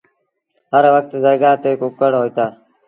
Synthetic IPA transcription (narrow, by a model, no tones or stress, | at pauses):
ɦəɾʋək̚t̪zəɾɡaːt̪eːkʊkəɽɦoːiːt̪aː